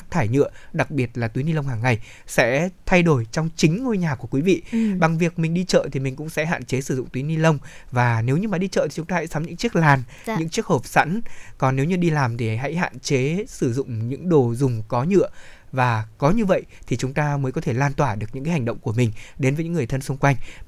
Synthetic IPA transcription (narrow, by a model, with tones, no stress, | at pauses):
k̚t̪ʰaː˧˩jɲɨ̰˧˨əɗa˨˩k̚ɓi˨˩ət̚laː˨˩t̪wi˨˦ni˧lə˧wŋ͡mhaː˨˩ŋːa˨˩j | sɛ̰˧˥t̪ʰa˧jɗo˧˩jt͡ɕɔ˧wŋ͡mt͡ɕï˨˦ŋ̟ŋo˧jɲaː˨˩ku˧˩əkwi˨˦vḭ˧˨ɓa˨˩ŋvi˨˩ək̚mï˨˩ŋ̟ɗi˧t͡ɕə̰ː˧˨t̪ʰi˨˩mï˨˩ŋ̟kʊ̰˧˥ŋ͡msɛ̰˧˥ɦa̰ː˧˨nt͡ɕe˨˦sɨ˧˩zʊ̰˧˨ŋ͡mt̪wi˨˦ni˧lə˧wŋ͡mvaː˨˩ne˨˦wɲɨ˧maː˨˩ɗi˧t͡ɕə̰ː˧˨t̪i˨˩ʊ˨˦ŋ͡mt̪aː˧ha̰˧˥jsa˨˦mɲɨ̰˧˥ŋt͡ɕi˦˥ək̚laː˨˩n | ɲɨ̰˧˥ŋt͡ɕi˦˥ək̚həː˨˩p̚sa̰˧˥nkɔ˨˩nːe˨˦wɲɨ˧ɗi˧laː˨˩mt̪ʰi˨˩ɦa̰˧˥jha̰ː˧˨nt͡ɕe˨˦sɨ˧˩zʊ̰˧˨ŋ͡mɲɨ̰˧˥ŋɗo˨˩zʊ˨˩ŋ͡mkɔ˨˦ɲɨ̰˧˨ə | vaː˨˩kɔ˨˦ɲɨ˧və̰˧˨jt̪ʰi˨˩t͡ɕʊ˨˦ŋ͡mt̪aː˧məː˨˦jkɔ˨˦t̪ʰe˧˩laː˧nt̪waː˧˩ɗɨ˨˩ək̚ɲɨ̰˧˥kaː˨˦ha˨˩ŋ̟ɗə̰˧˨wŋ͡mku˧˩əmï˨˩ŋ̟ɗe˨˦nvə˨˦ɲɨ̰˧˥ŋɨ˨˩əjt̪ʰə˧nsŋ͡mkwa˧jŋ̟